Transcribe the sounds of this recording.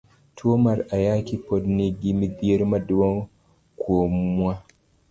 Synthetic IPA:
tʰoːmaɾʔajaːkipɔdneɡimidijɛɾmaduwɔŋ | kʰoːmua

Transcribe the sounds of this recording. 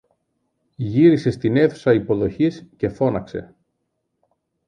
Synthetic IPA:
ʝiɾise̞st̪ine̞θu̥sɐipo̞ðo̞çisce̞fo̞nɐkse̞̰

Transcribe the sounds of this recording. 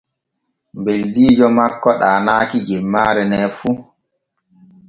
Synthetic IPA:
mbeldiːd͡ʒɔmakːɔɗaːnaːkid͡ʒɛmːaːɾɛnɛːfu

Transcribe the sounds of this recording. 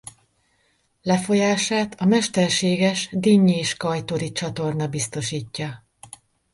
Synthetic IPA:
lɛfo̞jaːʃaːt̪ɒmɛʃt̪ɛrʃeːɡɛʃd̪iːɲːiːʃkɒjt̪o̞ɾit͡ʃɒt̪o̞rnɒbist̪o̞ʃiːcːɒ

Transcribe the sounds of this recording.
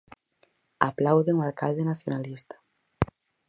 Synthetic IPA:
a̰plawðeŋoalka̰ld̪enaθjonalist̪ḁ

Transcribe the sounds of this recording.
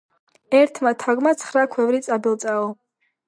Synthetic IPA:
ɛɾt̪ʰmat̪ʰaɡmat̪sʰχɾakʰwɛvɾit̪sʼabilˠt̪sʼaɔ

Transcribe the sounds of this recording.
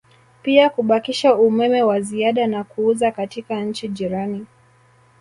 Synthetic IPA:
piakuɓakiʃaumɛmɛwaziaɗanakuuzakatikaɲ̩t͡ʃiʄiɾani

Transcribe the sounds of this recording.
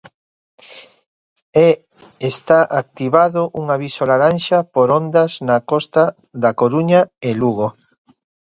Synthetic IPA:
e | est̪aʔak̚t̪iβaðoʔuŋaβisolaɾanʃapoɾond̪aznakɔst̪a | ðakoɾuɲaeluɣo

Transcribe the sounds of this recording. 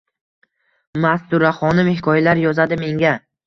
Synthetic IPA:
mast̪ʊɾaχɒnɪmɪhɪkʰɒjlaɾjɒzad̪ɪme̞ŋɡʲa

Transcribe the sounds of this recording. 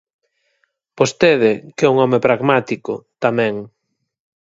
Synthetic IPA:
post̪eðɪkɛuŋɔmepɾaɣmat̪ikʊ̰t̪amɛ̃ŋ

